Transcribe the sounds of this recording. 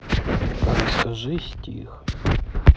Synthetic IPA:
ɐlʲskɐʐɨsʲtʲixʲ

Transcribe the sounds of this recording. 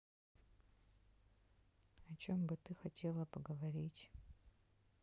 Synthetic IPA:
ɐt͡ʃo̞mbɨt̪ɨxatʲʰe̞lˠəpəɡəvɐɾʲitʲ

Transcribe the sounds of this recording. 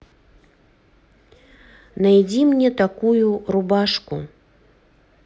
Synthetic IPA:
najd͡zʲimnʲɛt̪akujuɾubaʂku

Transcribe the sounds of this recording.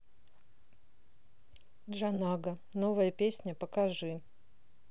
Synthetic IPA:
dʐɐnaɡə | novəjəpʲesʲnʲəpəkaʐɨ

